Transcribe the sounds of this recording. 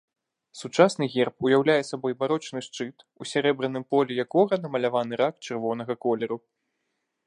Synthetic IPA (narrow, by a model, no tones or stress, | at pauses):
sut͡ʂasn̪ɨɣʲɛrp̚ujawlʲajɛsabɔjbaɾɔt͡ʂnɨʂt͡ʂɨt̪ | usʲaɾɛbɾɨnːɨmpɔlʲɛjakɔɣɐnɐmɐlʲavanɨɾakt͡ʂɨrvɔnɐɣɐkɔlʲɛɾu